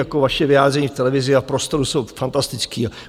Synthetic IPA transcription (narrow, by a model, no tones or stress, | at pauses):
jako̞vaʃɛvɪjaːd̪rɛɲiːft̪ɛlɛvɪzɪafpɾost̪o̞ɾuso̞wfant̪ast̪ɪt͡skiːa